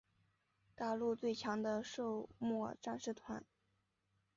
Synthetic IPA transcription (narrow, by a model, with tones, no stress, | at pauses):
t̪a˥˧lu˥˧t͡swe˥˩ɪt͡ɕʰjɑ˧˥ŋd̪ə˧ʂo˥˧ʊmwɔ˥˧ʈ͡ʂa˥˧nʂɻ̩˥˩t̪ʰwa˧˥n